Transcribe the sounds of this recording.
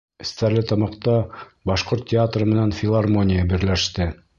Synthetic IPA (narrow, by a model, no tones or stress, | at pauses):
ɘ̆st̪æɾlɘt̪ɑmɑqt̪ɑbɑʃqoɾt̪ʲːɪat̪rɤmɘ̆nænfʲɪlˠarmo̞nʲijəbɘ̆ɾlæʃt̪ɘ